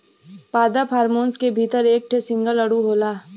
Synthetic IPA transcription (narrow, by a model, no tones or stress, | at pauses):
paːd̪apʰaːɾmoːnskebʱiːt̪əɾeːk̚ʈʰesɪ̃ŋɡəlɐɽuɦoːlaː